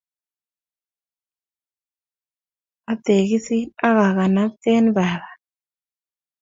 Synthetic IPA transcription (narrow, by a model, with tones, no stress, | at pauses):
a˦t̪e˨ɣi˦si˦a˦ɣa˨ɣa˨na˦te˦nβa˨βa˨